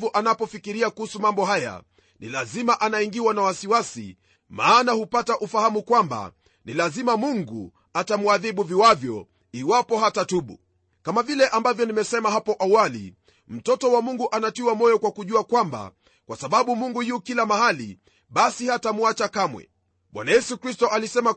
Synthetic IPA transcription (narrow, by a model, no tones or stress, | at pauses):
vuʔanapɔfikiɾiakuhusumambɔɦaja̰ | nḭlazimaʔanaiŋɡiwanawasiwasḭ | maːnahupataʔufahamukwamba̰ | nilazimamuŋɡṵ | atamuaðiɓuviwavjɔ | iwapɔɦatatuɓṵ | kamavilɛʔambavjɔnimɛsɛmaɦapɔʔawalḭ | m̩tɔtɔwamuŋɡuʔanatiwamɔjɔkwakuʄuakwamba̰ | kwasaɓaɓumuŋɡujukilamahalḭ | ɓasihatamuat͡ʃakamwɛ̰ | ɓwa̰najɛsukɾistɔʔalisɛma